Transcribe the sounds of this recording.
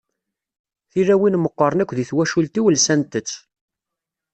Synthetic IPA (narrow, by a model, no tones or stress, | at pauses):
θiɾæwinməqːəɾˤənækʷːðiθwæʃult̪iwəlsænt̪ət͡sː